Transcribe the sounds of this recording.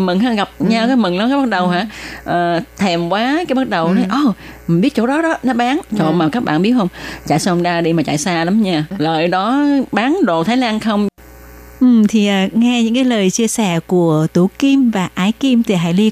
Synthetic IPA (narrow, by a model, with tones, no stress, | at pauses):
mɨ˨˩ŋɦaː˧˩ɣa˨˩p̚ɲa˧wkaː˨˦jmɨ˨˩ŋɗɔ˨˦kaː˨˦ɓt̚ɗə˨˩wɦa̰ː˧˥ʔəː˨˩t̪ʰɛ˨˩mkwaː˨˦kaː˨˦jɓa˦˥t̚ɗə˨˩wnɔ˨˦jʔəː˧˩m˨˩ɓi˦˥ət̚t͡ɕo̰˧˥˩ɗɔ˨˦ɗɔ˨˦nɔ˨˦ɓaː˨˦ŋt͡ɕɔ̰˧˨maː˨˩kaː˦˥k̚ɓa̰ː˧˨nɓi˦˥ət̚hə˧wŋ͡mt͡ɕa̰˧˨jsaː˧hŋ͡mɗaː˧ɗi˧maː˨˩t͡ɕa̰ː˧˨jsaː˧la˨˦mɲaː˧˩ləː˨˩jɗɔ˨˦ɓaː˨˦nɗo̰˧˨t̪ʰaː˨˦jlaː˧nxə˧wŋ͡m | ʔɨ˨˩mt̪ʰi˨˩ʔəː˨˩ŋɛ˧ɲɨ̰˧˥ŋkaː˨˦jləː˨˩jt͡ɕi˧əsɛ̰˧˩ku˧˩ət̪u˧˩ki˧mvaː˨˩ʔaː˨˧˩jki˧mt̪ʰi˨˩ɦa̰˧˥jli˧